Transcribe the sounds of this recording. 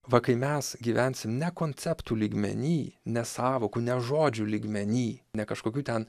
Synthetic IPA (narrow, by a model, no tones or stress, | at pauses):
ʋɐkɐɪmʲɛsɡʲiːʋʲænʲsʲɪmnʲɛkoːnʲt͡s̪ʲɛpt̪uːlʲiːɡmʲɛ̰nʲiːnʲɛsɑːʋoːkuːnʲɛʒoːd͡ʒʲulʲiːɡmʲɛnʲiːnʲɛkɐʃkoːkʲuːt̪ʲɛn